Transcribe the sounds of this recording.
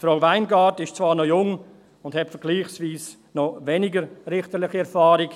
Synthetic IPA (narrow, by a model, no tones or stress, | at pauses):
fɾaʊvaɪnɡaːtɪʃt͡svaːɾnojʊŋ | ʊnd̥hɛtfəɾɡ̥liːχsviːs | nɔvɛnɪɡəɾrɪχtəɾlɪχiɛɾfaːɾɪk